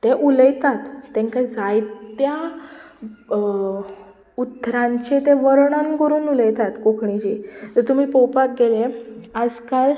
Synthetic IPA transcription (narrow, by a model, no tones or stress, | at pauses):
t̪eʔuləjt̪at̪ːɛ̃ŋkajd͡zajt̪ja | ut̪ːɾãɲt͡ɕet̪eʋəɾɳənkəɾuːnuləjt̪at̪kokʰɳit͡ɕet̪əɾt̪um̤iːpɔwpak̚ɡelead͡zkal